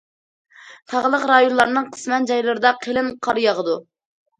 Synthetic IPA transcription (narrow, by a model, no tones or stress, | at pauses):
t̪ʰɑʁlˠəqɾɑjonlˠɑɾnɨŋqʰə̥smɛnd͡ʒɑjlˠɨɾɨd̪ɑqʰelɪmqʰɑɾjɑʁəd̪u